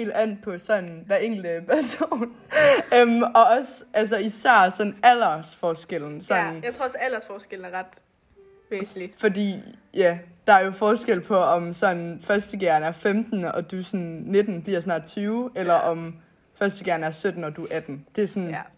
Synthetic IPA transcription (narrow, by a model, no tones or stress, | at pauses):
ḛːld̥æn̰d̥̚pʰɒ̽sɒ̽nʋæɐeŋ̰ɡ̥l̩d̥əpʰæɐso̝ːnn | ømɒ̽ɒ̽sæls̬ɒisæɐ̰sɒ̽næl̰ɐsfɒːsɡ̥el̰n̩sɒ̽nnjat͡sʰʁoɐsælɐsfɒːsɡ̥eln̩æɐʁɑ̈d̥ | ʋeːs̩i̥fɒ̽dḭːjæd̥ɑ̈æɐjo̝fɒːsɡ̥el̰pʰɒ̽ɒ̽msɒ̽nn̩fɶɐsd̥əɡ̥eɐnæɐfemd̥n̩ɒ̽d̥usɒnne̝d̥n̩b̥liɐsnɑ̰̈ːd̥t͡sʰyːʊelɐʔɒ̽m | fɶɐsd̥əɡ̥eɐn̩æɐsød̥n̩ɒ̽d̥uʔæd̥n̩d̥e̝æɐsɒn